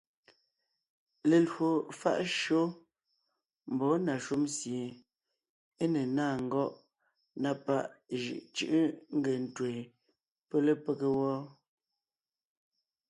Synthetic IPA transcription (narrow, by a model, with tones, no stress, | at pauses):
le˨lwo˨fa̰˦˨ʔʃo˦ | m̩˨bɔ˨˦na˨ʃu˦msje˨ | e˦ne˨naː˦˨ŋ̩˨ɡɔ˦ʔ | na˦pa˦˨ʔʒɯ̰˨ʔt͡ʃɯ̰˦ʔə˦ŋ̩˦ɡe˨n̩˨twe˨ | pe˦le˦pe˦ke˦wɔ˦